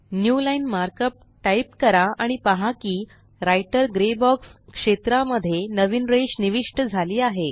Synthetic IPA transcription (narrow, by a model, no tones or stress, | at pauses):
njulainmaɾkəp̚ | ʈaip̚kəɾaaɽ̃ipaɦakiː | ɾajʈəɾɡɾebɔkskʂet̪ɾaməd̪ʱːjenəʋiːnɾeɕniʋiʂʈəd͡zʱaliːaɦe